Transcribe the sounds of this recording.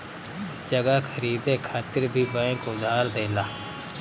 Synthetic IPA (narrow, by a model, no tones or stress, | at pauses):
d͡ʒəɡakʰəɾiːd̪eːkʰaːt̪ɪɾbʱiːbə̃kʊd̪aːɾd̪eːlaː